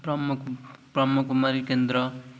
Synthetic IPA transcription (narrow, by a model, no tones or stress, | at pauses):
pʌmukprʌmukmʌɾikend̪ɾʌ